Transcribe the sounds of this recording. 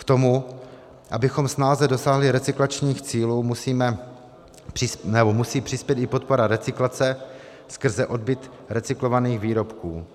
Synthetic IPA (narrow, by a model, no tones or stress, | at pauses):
kt̪o̞mu | ʔabɪxo̞msnaːzɛdo̞saːɦlɪɾɛt͡sɪklat͡ʃɲiːxt͡siːluːmusiːmɛ | r̥ɪnɛbo̞musiːpr̝̥ɪspjɛt̪ɪpo̞t̪̚po̞ɾaɾɛt͡sɪklat͡sɛ | skr̩zɛʔo̞d̚bɪt̪ | ɾɛt͡sɪklo̞vaniːxviːɾo̞pkṵː